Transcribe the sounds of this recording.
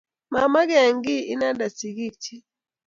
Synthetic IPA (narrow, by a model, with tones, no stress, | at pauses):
ma˨ma˦ɡɛ˨ŋɡi˦i˦na˦da˨si˨ɡi˦˨k̚t͡ʃi˦